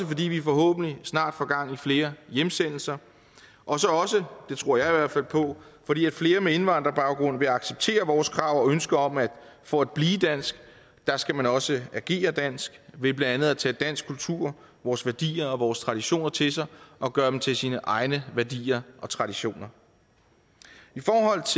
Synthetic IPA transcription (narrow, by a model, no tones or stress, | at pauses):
səfɒ̽d̥ḭːʋifɒ̽ɦɔ̰̽ːb̥n̩lisnɑ̰̈ːd̥fɒɡ̥ɑ̈ŋ̰ifle̝ːɐjemsen̰l̩sɐ | ʔɒ̽sɒ̽ɒ̽səd̥e̝t͡sʰʁo̝ɐ̰jɑ̈ɪiʋæɐ̰d̥fæl̰pʰɒ̽fɒ̽d̥ḭːæd̥fle̝ːɐmee̝nʋɑ̈n̰d̥ʁɐb̥ɑ̈ʊɡ̥ʁɔ̽n̰ʋe̝ɑ̈ɡ̥seb̥̚t͡sʰe̝̰ːɐʋɒːskʰʁɑ̈ʊ̰ɒønsɡ̥ɐɒ̽mæd̥fɒ̽æd̥̚b̥liːd̥æn̰sɡ̥ | d̥ɑ̈sɡ̥æmænɒ̽səæɡ̥e̝̰ːɐd̥æn̰sɡ̥ʋe̝b̥lænd̥ænð̩ˠæt͡sʰɛ̰ːd̥æn̰sɡ̥kʰult͡sʰuɐ̰ | ʋɒːsʋæɐd̥ḭːɐɒ̽ʋɒːst͡sʰʁɑ̈ɾ̥iɕo̝̰ːnɐt͡sʰe̝sɑ̈ɪʔɒ̽ɡ̥ɶːɐdem̩t͡sʰe̝lsiːnəʔɑ̈ɪnəʋæɐd̥ḭːɐʔɒ̽t͡sʰʁɑ̈ɾ̥iɕo̝̰ːnɐ | ifɒːɦɒ̽l̰t͡sʰ